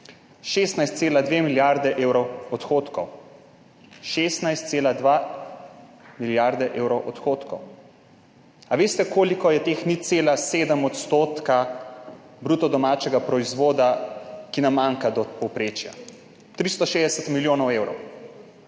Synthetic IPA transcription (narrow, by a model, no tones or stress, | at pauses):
ʃeːst̪najst̪seːlad̪ʋemiljaɾd̪ɛʔeːwɾɔwɔt̪xot̪kɔw | ʃeːst̪najst̪seːlad̪ʋa | miljaɾd̪ɛʔeːwɾɔwʔɔt̪xoːt̪kɔw | aʋeːst̪ɛkoːlikɔjɛt̪eːxnit̪seːlaseːd̪əmɔt̪st̪oːt̪ka | bɾuːt̪ɔd̪ɔmat͡ʃɛɡapɾɔizʋoːd̪akinamːaŋkad̪ɔpɔwpɾeːt͡ʃja̰ | t̪ɾist̪ɔʃeːzd̪ɛsət̪miljoːnɔweːwɾɔ̰w